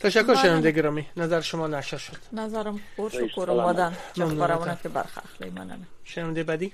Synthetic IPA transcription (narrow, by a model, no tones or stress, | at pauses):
t̪ʰæʃækʰːoɾʃenævænd̪ejɡʲeɾɒːminæzæɾeʃomɒːnæʃɾʃod̪̥næzæɾæmpʰoɾʃokʰoɾomɒd̪ænmæmnuɔɾaɔnakʰebæ̰ɾxæ̰xlḛmæ̰na̰nʃenævænd̪ejebæːd̪iː